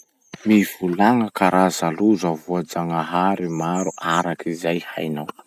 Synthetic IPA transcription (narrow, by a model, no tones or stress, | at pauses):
miv̥ulaŋəkaɾazaluzavuad͡zaŋaɦaɾimaɾuʔaɾakʰizajha̰jnaw